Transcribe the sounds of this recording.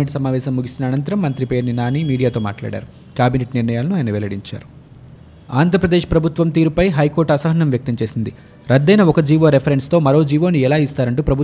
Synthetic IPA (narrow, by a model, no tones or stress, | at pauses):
eʈsɐmaːʋɛːʃɐmːuɡisinɐːnɐnt̪ɐɾɐmːɐnt̪ɾipe̞ːɾninaːniːmiːɽijaːt̪o̞ːma̰ːʈla̰ːɽa̰ːɾu | kjaːbineʈniɾnɐjaːlɐnuaːjnɐʋɛlɐɽiɲt͡ʃa̰ːɾu | aːnd̪ʱɾɐpɾɐd̪eːʃpɾɐbʱut̪ʋɐmt̪iːɾupɐjɦɐjkoːɾʈɐsɐɦɐnːɐmʋjɐk̚t̪ɐmt͡ʃe̞ːsind̪i | ɾɐd̪ːɐjnɐɔkɐd͡ʒiːʋo̞ːɾepʰɐɾeɳst̪o̞ːmɐɾo̞ːd͡ʒiːʋo̞ːniɛlaːist̪aːɾɐɳʈuːpɾɐbʱu